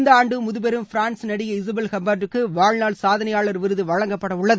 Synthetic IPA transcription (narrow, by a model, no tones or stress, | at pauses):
nd̪aːɳɖɯmʊðʊpɛɾɯmfɪɾaːnsnɐɽɪjɐɪsɐbɛlkɐmbaːʈrɯkːɯʋaːɭnaːɭsaːðɐnɐjaːɭɐɾʋɪɾɯðɯʋɐɻɐŋɡɐpːɐɽɐʊɭːɐðɯ